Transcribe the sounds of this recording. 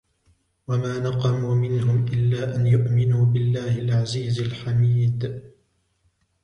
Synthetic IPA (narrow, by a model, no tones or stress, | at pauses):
wamaːnɑqɑmuːmɪnɦʊmʔɪlːaːʔanjʊʔmɪnuːbɪlːaːhɪlʕaziːzalħamiːd̪